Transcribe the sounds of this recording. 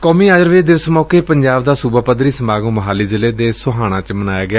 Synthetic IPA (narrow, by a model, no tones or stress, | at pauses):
kɔːmiːaːd͡ʒəɾʋeːd̪ɪʋəsmɔːkeːpəɲd͡ʒaːbd̪aːsuːbaːpəd̪ɾiːsəmaːɡũːməɦaːliːzɪleːd̪eːsʊɦaːɽ̃ãːt͡ʃmənaːjaːɡɪjaː